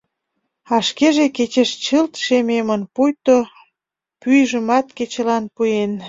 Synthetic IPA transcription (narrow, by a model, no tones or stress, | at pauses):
ɑʃkeʒeket͡ɕeʃt͡ɕəlt̪ʃememənpujt̪o | pyjʒə̆mɑt̪ket͡ɕəlɑnpujen